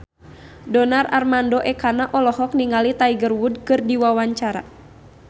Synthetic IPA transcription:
dɔnara̰rmandɔʔɛkanaʔɔlɔɦɔk̚niŋalit̪aiɡərwud̚kɨrdiwawaɲt͡ʃaɾa̰

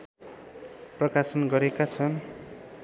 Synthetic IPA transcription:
prʌkasʌnɡʌɾekat͡sʰʌn

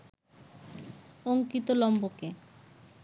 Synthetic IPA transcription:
oŋkit̪olɔmboke

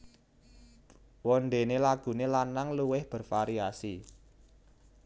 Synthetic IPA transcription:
wɔnɖenelaɡ̥ṳnelanaŋluwɪhb̥ə̤rfaɾiasi

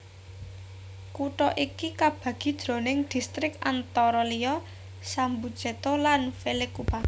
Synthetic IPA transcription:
kuʈɔʔikikab̥ä̤ɡ̥i̤d̥d̪̥ɾo̤nɪŋd̪̥i̤st̪ɾɪka̰nt̪ɔɾɔlijɔ | sambu̥d͡ʒ̥et̪olanfelekub̥a

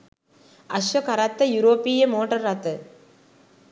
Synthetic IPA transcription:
ɐʃʋɐkɐɾat̪ːɐjuɾoːpijɐmoːʈːɐɾːat̪ːɯ

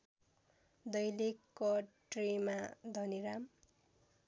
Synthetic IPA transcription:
d̪ʌjlikːʌʈrimad̪ʱʌniɾam

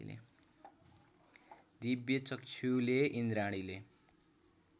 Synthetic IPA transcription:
lḛ | d̪ibjʌt͡sʌkt͡sʰuleʔind̪ɾaɽ̃ile

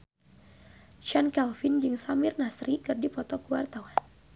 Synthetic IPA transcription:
ʃankɛlfind͡ʒɨŋsamɪrnasɾikɨrdipɔt̪ɔkuwart̪awan

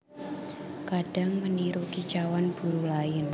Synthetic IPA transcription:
kaɖ̥a̤ŋməniɾukit͡ʃawanb̥ṳɾulaɪn

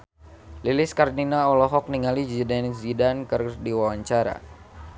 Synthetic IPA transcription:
lilɪskarninaɔlɔɦɔk̚niŋalizidanzidankɨrdiwawaɲt͡ʃaɾa̰

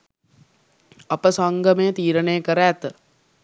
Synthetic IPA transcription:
ɐpəsaŋɡəmejət̪iːɾənejəkəɾæːt̪

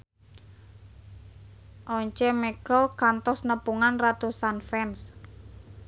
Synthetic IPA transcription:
ʔɔɲt͡ʃɛmeɡɔkant̪ɔsnəpuŋanrat̪usanfɛns

